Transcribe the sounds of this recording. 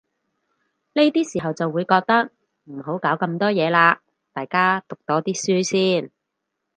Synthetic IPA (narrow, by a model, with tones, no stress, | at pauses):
le˥t̪iː˥siː˨˩ɦɐ˨wt͡sɐ˨wːuː˨˧jkɔː˧k̚t̪ɐ˥k̚ | m̩˨˩ɦo˨˥wkaː˨˥wkɐ˧mt̪ɔː˥jɛː˨˧laː˧ | t̪aː˨jkaː˥t̪ʊ˨k̚t̪ɔː˨˥t̪iː˥syː˥siː˥˩n